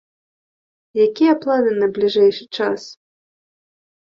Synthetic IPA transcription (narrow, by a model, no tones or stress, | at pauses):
jakʲijɐplˠanɨnɐblʲiʐɛjʂɨt͡ʂas